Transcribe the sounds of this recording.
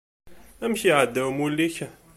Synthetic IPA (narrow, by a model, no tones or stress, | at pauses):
æmçiʕad̪ːæwmulːiçə